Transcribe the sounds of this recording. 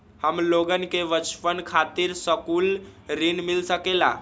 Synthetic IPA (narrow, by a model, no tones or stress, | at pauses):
həmloɡənkeʋət͡ʃpənkʰat̪iɾsəkulɾinmilsəkela̰